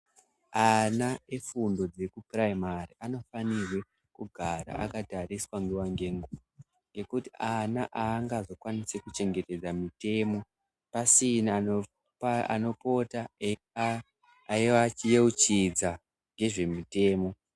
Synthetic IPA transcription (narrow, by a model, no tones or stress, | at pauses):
anaefundo̞d͡ze̞kupraimariʔano̞fanirwe̞ | kuɡʱaɾa̰ʔa̰katariswaŋɡuwaŋɡe̞ŋɡuʋ | ŋɡe̞kutiʔanaʔaːŋɡazo̞kwanisekut͡ʃe̞ŋɡete̞d͡zamite̞ːmo̞ | pasinao | aa̰no̞po̞ta | aiwat͡ʃijeut͡ʃid͡za | ŋɡe̞ʐe̞mite̞ːmo̞